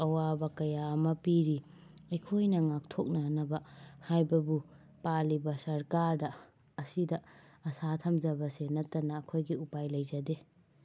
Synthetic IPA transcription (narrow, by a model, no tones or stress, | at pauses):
ɐwabɐkɐjamɐpiɾi | ɐjkʰojnɐŋak̚tʰok̚nɐnɐbɐhajbɐbu | palibɐsɐɾkaɾdɐː | sidɐ | ɐsatʰɐmd͡ʒɐbɐsenɐtːɐnɐːkʰojɡiupajlɐjzɐde